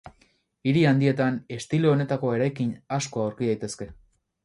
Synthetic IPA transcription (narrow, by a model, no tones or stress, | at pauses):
iɾiand̪ie̞t̪ane̞st̪ilo̞ːne̞t̪ako̞e̞ɾajkiɲasko̞awɾkiðajt̪e̞ske̞